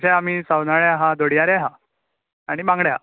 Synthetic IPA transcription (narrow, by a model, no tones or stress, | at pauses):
ɕaamiːsawnaɭjaɦad̪oɽjaɾjaɦa | aɽ̃ibãŋɡɽja